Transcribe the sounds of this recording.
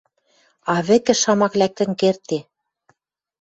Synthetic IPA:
ɑβɘ̆kɘ̆ʃɑmɑklæk̚t̪ɘ̆ŋkert̪e

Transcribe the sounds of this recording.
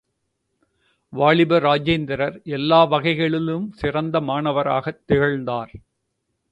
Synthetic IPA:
ʋaːɭɪbɐɾaːd͡ʒeːnd̪ɪɾɐɾɛlːaːʋɐɣɐɪɣɐɭɪlɯmsɪrɐnd̪ɐmaːnɐʋɐɾa̰ːɣɐt̪ːɪɣɐɻnd̪aːɾ

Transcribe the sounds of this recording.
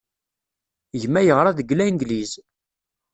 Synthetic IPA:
ʝmːæjəʁɾˤaðəɡlænɡ̪liz

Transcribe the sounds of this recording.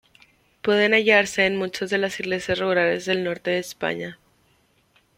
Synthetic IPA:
pwe̞ðe̞naʝaɾse̞ːnmut͡ʃazðe̞lasiɣle̞sjasruuɾale̞zðe̞lno̞ɾt̪e̞ðe̞ːspa̰ɲa

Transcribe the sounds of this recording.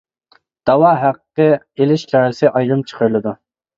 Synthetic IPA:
d̪̥ɑwɑːɦæqːə | elɪʃkʰɑːɾɨsɨʔɑjʁɨmt͡ʃʰə̥qʰəɾlˠɨd̪u

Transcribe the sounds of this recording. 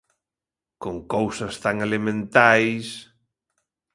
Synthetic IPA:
koŋkowsɐst̪aŋelemẽnt̪ajs

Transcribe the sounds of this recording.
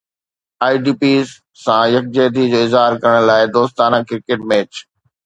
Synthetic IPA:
aːiɖiːpiːz | sãjɐk̚d͡ʑeːd̪id͡ʑoːɪzɦaːɾkɐɾəɽ̃̆laːɪd̪oːst̪aːnãkɪɾkeːʈ̚mɛːt͡ɕ

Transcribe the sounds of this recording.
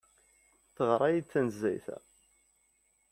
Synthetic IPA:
θəʁɾˤɑjit͡sːænzːæ̰jθæ̰

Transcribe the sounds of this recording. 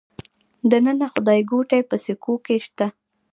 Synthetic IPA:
d̪ənənaxʊd̪ɑjɡoʈajpəsikokeʃt̪a

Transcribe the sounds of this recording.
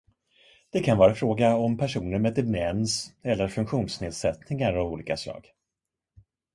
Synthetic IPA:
d̪̥ɛkʰanvɑːɾafɾoːɡaɔmpʰæʂuːnəɾmɛd̪ɛmɛnsɛlːəɾfɵŋkɧuːnsneːd̪sɛt̪nɪŋaɾɔvuːliːkaslɑ̰ːɡ

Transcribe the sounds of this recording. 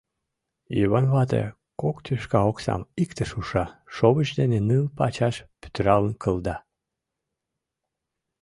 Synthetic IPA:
jiβɑnβɑt̪ḛ | kokt̪yʃkɑoksɑ̰mikt̪əʃuʃɑʃoβət͡ɕd̪enenɨlpɑt͡ɕɑʃpy̥t̪əɾɑlənkʰəld̪ɑ

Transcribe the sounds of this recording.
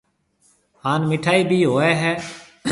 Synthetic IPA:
ɦaːnmɪʈʰaːiːbʱiːɦoːɛːɦɛː

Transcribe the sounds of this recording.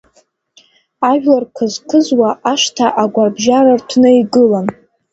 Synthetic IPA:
aʒᶣlarkʰɨzkʰɨzwaʔaʂtʰaʔaɡʷarbʒaɾartʷʰnɨiɡɨlan

